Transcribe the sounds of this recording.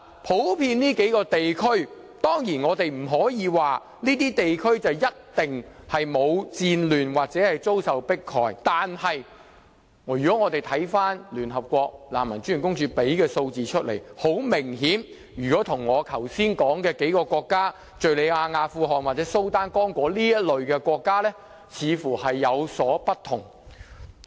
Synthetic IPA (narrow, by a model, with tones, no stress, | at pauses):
pʰo˨˥wpʰiː˧nniː˥ke˨˥jkɔː˧t̪e˨jkʰɵ˥ɥ | t̪ɔː˥ŋjiː˨˩nŋɔː˨˧t̪e˨jm̩˨˩ɦɔː˨˥jiː˨˧waː˨ | niː˥t̪iː˥t̪e˨jkʰɵ˥ɥt͡sɐ˨wjɐ˥t̚t̪ɪ˨ŋ | hɐ˨jmo˨˧wt͡siː˧nlyː˨˩nwaː˨k̚t͡sɛː˨˥hɐ˨jt͡so˥wsɐ˨wpɪ˥kʰːɔ̰ː˨jt̪aː˨nhɐ˨j | ŋː˨jyː˨kɔː˨˥ŋɔː˨˧t̪e˨jt̪ʰɐ˨˥jfaː˥nlyː˨˩nɦɐ˨p̚kʷɔː˧k̚la̰ː˨˩mːɐ˨˩nt͡ʃyː˥˨˩kʊ˥ŋt͡ʃyː˧pe˨˥jkɛː˧so˧wt͡siː˨t͡ʃʰɵ˥t̚lḛ˨˩jho˨˥wmɪ˨˩ŋɦiː˨˥n | jyː˨˩kɔː˨˥t̪ʰʊ˨˩ŋːɔː˨˧kʰɐ˨˩wsiː˥nkɔː˨˥ŋkɛː˧ke˨˥jkɔː˧kʷɔː˧kːaː˥ | t͡ʃɵ˨ɥle˨˧jaː˧ŋaː˧fuː˧ɦɔː˨˩nwaː˨t̚t͡sɛː˨˥so˥wt̪aː˥nkɔː˥ŋkʷɔː˨˥liː˥jɐ˥t̚lɵ˨ɥkɛː˧kʷɔː˧kːaː˥lɛː˥ | t͡sʰiː˨˧fuː˨˩hɐ˨jːɐ˨˧wsɔː˨˥pɐ˥tt̪ʰːʊ˨˩ŋ